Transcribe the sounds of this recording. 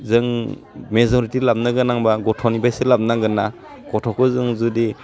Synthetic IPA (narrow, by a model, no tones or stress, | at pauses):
zɯŋ | mezɔɾitilap̚naɡɯnaŋbaɡɔtʰɔnibajsɯlap̚naɡɯnːa | ɡ̥ɔtʰɔkʰɯzɯŋzudi